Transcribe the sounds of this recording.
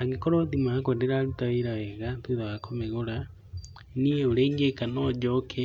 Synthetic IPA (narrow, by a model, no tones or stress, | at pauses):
aŋɡekoɾoðimakondeɾaɾutaweɾawɛɣatuðaɣakʰomeɣoɾa | nieoɾeːŋɡekanod͡ʒokʰe